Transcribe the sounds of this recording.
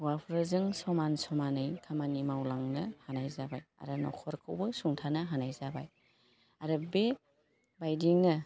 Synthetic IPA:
wapʰɾɯzɯŋsɔmansɔmanɯjkʰamanimawlaŋnɐhanajzabaja̰ɾɯnɔ̰kʰɔɾkʰɯwbɯsuŋtʰanɐɦanajzabaj | aɾɯbe | bajdiŋnɐ

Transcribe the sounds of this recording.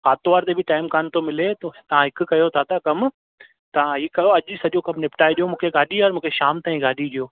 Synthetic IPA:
xaːt̪oʋaːɾt̪ebɪʈaːɪmkaːnt̪ʰomɪlet̪ot̪ɐʋ̤ãɦɪkʊ̆kɐjot̪ʰat̪ɐkɐm | t̪ɐʋ̤ãɦiːkɐjoɐʄsɐʄokɐmnɪpʈʰaːeɗijomũːkʰeɡaːɗiaːɾmũːkʰeʃaːmt̪aːĩɡaːɗiɗijoː

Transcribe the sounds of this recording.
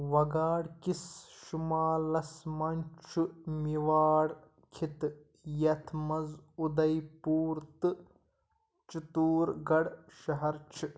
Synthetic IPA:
ʋɐɡaːɽkisʃumaːlɐsmɐnʲt͡ʃʰumiʋaːɽ | kʰit̪ | jɐt̪ʰmɐzud̪ɐjpuːɾt̪ɨ | t͡ʃit̪uːɾɡɐɽʃɐɦɐɾt͡ʃʰi

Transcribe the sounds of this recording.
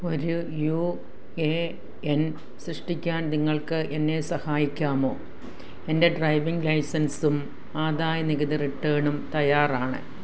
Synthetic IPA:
o̞ɾuju | e | en | srɨʂʈikʲːaːnniŋːɐɭkɨʔe̞nːe̞sɐhaːjikʲːaːmo̞ː | e̞nde̞ɖrɐjʋiŋɡlɐjsɐnsum | aːðaːjɐniɣɐðiriʈːeːɳumt̪ɐjaːraːɳɨ̰

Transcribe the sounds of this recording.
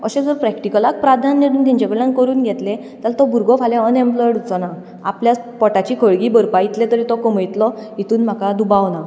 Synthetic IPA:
əɕẽd͡zəɾpɾɛkʈikəlak̚pɾad̪ʱanːeɾuːnt̪iɲt͡ɕekəɭãŋkəɾuːnɡʱɛt̪lẽ | t̪alt̪ɔbʱuɾɡɔfʰalãənɛ̃mpləɾɽut͡sɔna | a̰pljat͡spɔʈat͡ɕiːkʰəɭɡiːbəɾpait̪lẽt̪əɾit̪ɔkəm̤əjt̪lɔit̪uːnm̤akad̪ubawna

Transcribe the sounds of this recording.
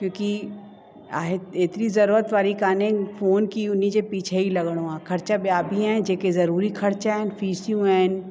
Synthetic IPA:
kjõːki | aːɦet̪eːt̪nizɐɾuːɾət̪ʋaːɾikaːnẽfoːnkiʊnid͡ʒepiːt͡ʃʰeilɐɡɽ̃õaːkʰɐɾt͡ʃabjaːbʱiɦɛ̃d͡ʒeːkezɐɾuːɾikʰɐɾt͡ʃaɦɛːnfiːsijũɛːn

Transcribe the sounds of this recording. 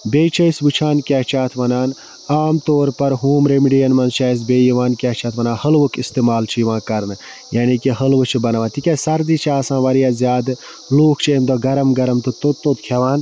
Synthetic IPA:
beːt͡ʃʰɐisʋɨt͡ʃʰaːnkʲaːɦt͡ʃʰaːt̪ʰʋɐnaːn | aːmt̪oːɾpɐɾɦuːmɾemiɖijɐnmɐnzt͡ʃʰaːs̬beːjiʋaːnkʲaːt͡ʃʰaːt̪ʰʋɐnãːhɐlʋɨkist̪eːmaːlt͡ʃʰijiʋãːkɐɾnɨ | jaːnikiɦɐlʋɨt͡ʃʰibɐnɐʋãːt̪ikʲasɐɾd̪it͡ʃʰaːsãːʋɐɾijaːzjaːd̪ | loːkʰt͡ʃʰemd̪oɡɐɾɐmɡɐɾɐmt̪ɨt̪ot̪ːot̪kʰaʋaːn

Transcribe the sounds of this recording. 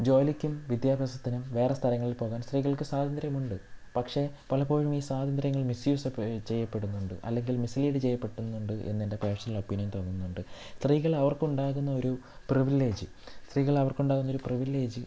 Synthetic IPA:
d͡ʑo̞ːlikʲːumʋid̪jaːbʱjɐsɐt̪ːinumʋe̞ːrest̪ʰɐlɐŋːɐɭilpo̞ːɣaːnst̪riːɣɐɭkɨsaːd̪ʱɐnd̪rɐjɐmuɳɖɨpɐkʂe̞pɐlɐpo̞ːɻumiːsaːd̪ʱɐnd̪ɾjɐŋːɐɭmisjuːset͡ɕe̞jːɐpːe̞ɽunːuɳɖɨʔɐ̰lːe̞ŋɡilmisiliːɽɨt͡ɕe̞jːɐpːe̞ʈːunːuɳɖɨʔe̞̰nːende̞preːʂɐnilo̞pːinjɐnt̪ɐnːunːuɳɖɨst̪riːɣɐɭɐʋɐrkuɳɖaːɣunːɐo̞ɾu | priʋilːe̞ːd͡ʑɨ | st̪riːɣɐɭɐʋɐrkuɳɖaːɣunːɐoɾupriʋilːe̞ːd͡ʑɨ

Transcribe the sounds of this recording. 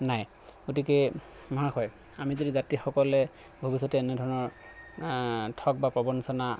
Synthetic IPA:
naj | ɡotikɛ | mɔɦakʰɔj | amizodizatixɔkɔlɛ | bʱobisɔtɛːnɛdʱɔɹɔnɔɹ | tʰɔk̚bapɹɔbɔnsɔna

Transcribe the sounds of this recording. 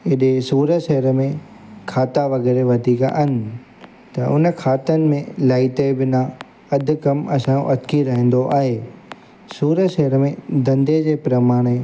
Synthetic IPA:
ɪɗesuːɾəʃɐɦəɾəmẽ | kʰaːt̪aʋɐɣeːɾeʋɐd̪ʱiːka̰ʔɐnɪ̆ | t̪ɐʔʊnəkʰaːt̪ənɪ̆mẽlaːɪt̪ebɪnã | ɐd̪ʱʊ̆kɐmɐsã̰ʔɐt̪kʰiɾɐɦĩːn̆d̪oʔa̰ːɦe | suːɾəʃɐɦəɾəmẽd̪ɐ̃nd̪ed͡ʑeːpɾɐmaːɽ̃e

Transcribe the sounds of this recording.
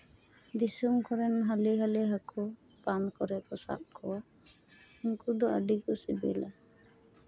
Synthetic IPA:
d̪isumkɔɾɛnɦaliɦalɛɦakɔ | pankɔɾɛkɔsa̰ʔ̚kʰɔwa | unkud̪ɔʔə̰ɖikɔsibɛ̰la

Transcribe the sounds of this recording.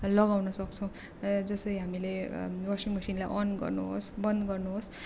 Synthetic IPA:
lʌɡawnʌsʌk̚t͡sʰʌw̃ | d͡zʌsʌjɦamilewʌsiŋmʌsinlajʔʌnɡʌ̰rnṵɦo̰sbʌnd̪ɡʌrnuɦos

